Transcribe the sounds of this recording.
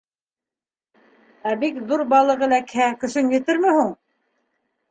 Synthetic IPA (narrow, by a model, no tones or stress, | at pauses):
æbikðuɾbɑlˠɤ̆ʁɤ̆lækhækɵ̆ʃɵŋjɘ̆t̪ɘɾmɘhuɴ